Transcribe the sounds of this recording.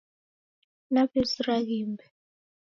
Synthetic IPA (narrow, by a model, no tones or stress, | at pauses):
napʰesirak̬iːmbɛ